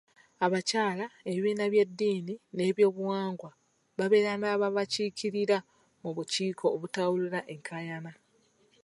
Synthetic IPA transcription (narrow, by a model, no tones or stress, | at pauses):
aβacaːlae̞βiːnaβje̞dːiːnine̞ːβjo̞ːβuwaːŋɡwa | βaβe̞ɾanaːβaβaciːkʰiɾiɾa | muβuciːkʰo̞ːβutawuliɾaʔe̞ŋkʰajana